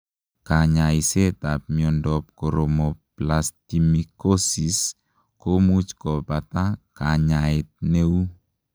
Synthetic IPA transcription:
kaɲaisetap̚miɔndɔp̚kɔɾɔmɔplastimikosis | komut͡ʃkɔpatakaɲaet̚neu

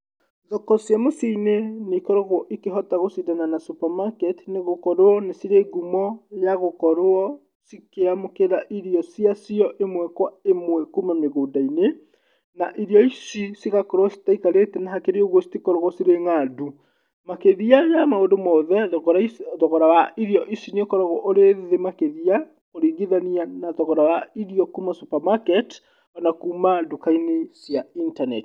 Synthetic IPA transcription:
ðokɔsjamosiinenekɔɾoɣwɔʔikeɦɔtaɣosidananasupamakɛtneɣokɔɾoɔnesiɾeɡumɔjaɣokɔɾoɔ | sikeamokeɾaʔiɾiɔsiasiɔʔemwɛkwaemwɛkumameɣoːdaine | naʔiɾiɔisisiɣakɔɾɔsi̥taikaɾetɛnaɦakeɾeoɣosi̥tikɔɾɔɣɔsiɾeŋadu | makeðiajamaodomɔðɛ | ðɔɣɔɾawaiɾiɔʔisinekɔɾɔɣɔʔoɾeðemakeðia | koɾiɣiðanianaðɔɣɔɾawaiɾiɔkumasupamakɛt | anakuːmadokainesijaintanɛt

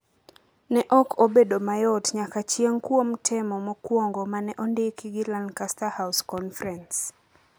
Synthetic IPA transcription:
nɛʔɔkʰobedomajɔtɲakat͡ʃjeŋkwomtʰɛmɔmɔkwoŋɡomanɛʔondɪkiɡɪlandkastahaʊskɔnfɾɛns

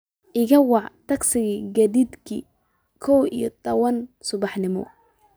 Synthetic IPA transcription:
ʔɪɣɐwɑʕt̪ʰɐɡsɪɣiɡɐðid̪kʰḭ | kʰɔwḭjɔt̪ʰɐwɐnsʊβɑħnɪmɔ̰

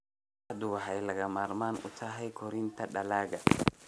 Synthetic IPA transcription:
ad̪ʊwaɦajlɐɡamaɾmanʊ̰taːɦajkɔɾint̪ɐɗɐlaːɡa

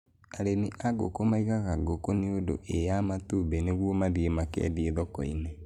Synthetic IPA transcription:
aɾeniʔaɡo̰komaiɣaɣaɡokoniodo̰ʔejamatubeneɣwomaðiemakɛ̰dieðɔkɔine

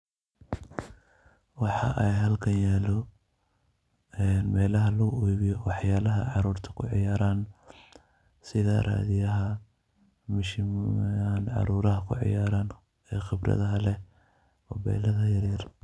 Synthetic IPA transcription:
wɑħɑ̰ʔɛjɦɐlkʰɐnjɛːlɔ | ɛːnmɛːlɐɦɐlɐɣʊujβɪjɔwɑħjaːlɐɦɐʕɑɾuːrt̪ʰɐ̥kʰʊʕɪ̰jaːɾaːn | sɪðɐra̰ːðɪjɐɦɐ | mɪʃɪaːnʕɑ̰ɾuːɾɐɦɐkʰʊ̰ʕɪ̰jaːɾaːn | ɛːxɪbrɐ̰ðɐɦɐlɛ | ɔbɛ̰ːlɐðɐjɐɾiːr

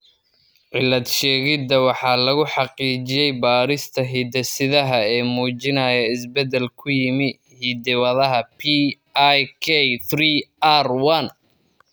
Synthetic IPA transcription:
ʕɪlːɐd̪ʃɛːɣɪd̪ɐwɑħɑːlɐɣʊħɑqiːt͡ʃɪjɛjbaːɾɪst̪ʰɐɦiːd̪ɐsɪðɐɦɐɛːmuːt͡ʃɪnɐjɐɪsbɛd̪ɛlkʰʊjɪmɪ | hiːd̪ɪwɐðɐɦɐpʰi | jkʰɛθʰriːarwɐn

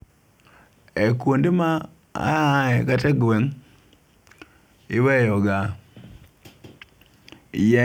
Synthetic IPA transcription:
ekwondema | a̰ɛkatɛɡwɛŋ | ɪwɛjɔɡa | jɛ

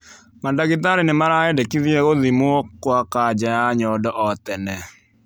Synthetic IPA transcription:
mandaɣɪt̪̬aɾenɪmaɾaɛdekiðieɣoðimokwakad͡ʒajaɲɔdɔʔɔt̪ɛnɛ

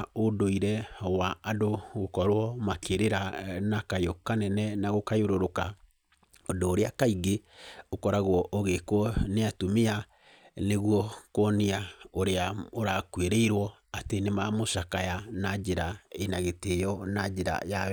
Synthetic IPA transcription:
odoiɾɛwaadoɣokɔɾwɔmakeɾeɾanakajokanɛnɛnaɣokajoɾoɾoka | odoːɾeakaiɡeokɔɾaɣwɔʔoɣekwɔneatomea | neɣwɔkɔniaoɾeaoɾakweɾeiɾwɔ | atenemamoʃakajanad͡ʒeɾaenaɣetejɔnad͡ʒeɾa̰ja

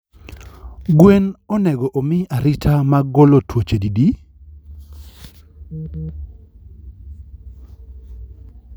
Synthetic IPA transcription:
ɡwenɔnɛɡɔʔomɪaɾɪtʰamaɡolotwot͡ʃedidi

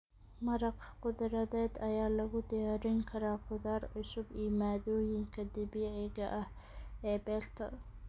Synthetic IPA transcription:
mɐɾɑqqʊðɾɐðɛːd̪ɐjaːlɐɣʊd̪ɪjaːɾɪŋkʰɐɾaːqʊðaːrʕʊsʊbiːmaːðɔːjɪŋkʰɐd̪ɐβiːʕɪɣɐʔɐh | ɛːbɛːlt̪ʰɐ̰

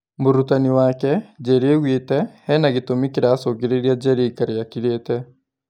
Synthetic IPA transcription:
moɾutaniwaːkɛd͡ʒɛɾeɣweːtɛhɛnaɣitomikiɾaːsokeɾeɾiad͡ʒɛɾeikaɾejakiɾeːtɛ

